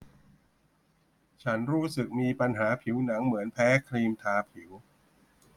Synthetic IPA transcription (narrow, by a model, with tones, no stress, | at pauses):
t͡ɕʰa˦˥nɾuː˦˥sɯ˨˩k̚miː˧pa˧nɦaː˩˦pʰi˨˩˦wna˩˦ŋmɯ˩˦ənpʰɛː˦˥kʰɾiː˧mt̪ʰaː˧pʰi˩˦w